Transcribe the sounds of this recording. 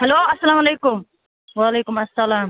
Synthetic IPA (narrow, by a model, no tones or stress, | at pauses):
hɐloːɐsːɐlaːmɐleːkʊm | waːleːkʊmɐsːɐlaːm